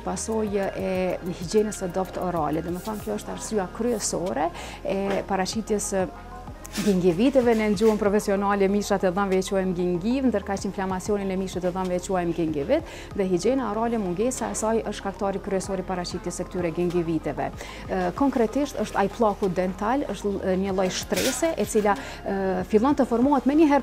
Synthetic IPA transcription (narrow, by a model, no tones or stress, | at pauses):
pasɔjʔɛhid͡ʒɛnəsəd̪ɔft̪ɔɾa̰lɛd̪ɔməθamkjɔəʃt̪aɾsyakɾyɛsɔɾɛ | ɛpaɾat͡ʃit̪jɛs | ɡiŋɡivit̪ɛvɛnɛnd͡ʒuənpɾɔfɛsiɔnalɛmiʃat̪ɛðanvɛɛt͡ʃuajmɡiŋɡivnd̪əɾkat͡ʃinflamat͡sjɔninɛmiʃət̪ɛðanvɛɛt͡ʃuajmɡiŋɡivit̪ | ðɛɦid͡ʒɛnaɔɾalɛmuŋɡɛsaɛsajəʃt̪ʃkakt̪ɑɾikɾyɛsɔɾipaɾat͡ʃit̪jɛsəkt̪yɾɛɡiŋɡivit̪ɛvɛ̰ | kɔŋkɾɛt̪iʃt̪əʃt̪ajplˠɑkud̪ɛnt̪alə̰ʃt̪ɲəlˠɔjʃt̪ɾɛ̰sɛʔɛt͡sila | filˠɔnt̪əfɔɾmuɦɛt̪mɛɲəɦɛɾ